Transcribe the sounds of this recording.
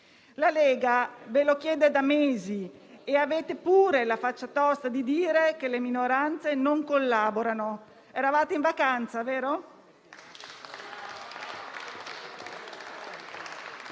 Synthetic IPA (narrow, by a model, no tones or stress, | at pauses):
lalɛːɡavelokjɛːd̪ed̪ameːzieaveːt̪epuːɾelafat͡ʃːat̪ɔst̪ad̪id̪iːɾekeleminoɾant̪senoŋkolːaboɾano | ɛɾavaːt̪eiɱvakant̪saveːɾo